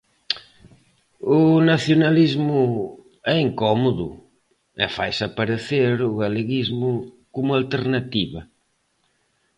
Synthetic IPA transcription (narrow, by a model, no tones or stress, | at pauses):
unaθjonalizmu | ɛiŋkɔmoðṵ | ḛfa̰jsapaɾeθeɾuɣaleɣizmʊ | komualt̪eɾnat̪iβɐ